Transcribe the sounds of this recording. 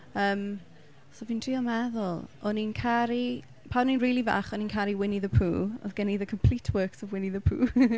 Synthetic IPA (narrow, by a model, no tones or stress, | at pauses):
əːm | sɔviːntʰr̥iːɔmɛðʊlˠɔninkʰaɾi | pʰawninriːlˠiva̰χɔninkʰaɾiwɪniðəpʰṵːɔ̰ðɡ̥ɛniðəkʰəmpʰl̥itʰwəːksəvwɪniðəpʰṵː